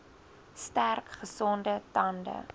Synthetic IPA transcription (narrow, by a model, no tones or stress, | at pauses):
stærkχəsɔndətɐndə̰